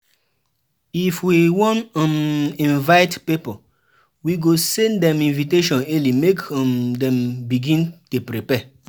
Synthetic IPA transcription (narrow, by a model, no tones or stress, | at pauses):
ifwiwɔ̃nãmĩnvaɪtpipo | wiɡosɛ̃ndɛ̃mĩnviteʃɔ̃nɛlimekmdɛ̃mbiɡĩntupɾipɛ